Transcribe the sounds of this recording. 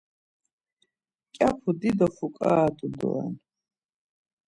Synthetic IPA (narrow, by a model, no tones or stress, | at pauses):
kʲʼapʰud̪id̪ɔfukʼad̪ud̪ɔ̰ɛ̰n